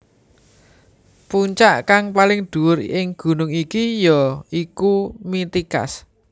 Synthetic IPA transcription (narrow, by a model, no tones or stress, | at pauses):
puɲt͡ʃaʔkaŋpalɪŋd̪̥ṳʊrɪŋɡ̥ṳnʊŋikijɔikumit̪ika̰s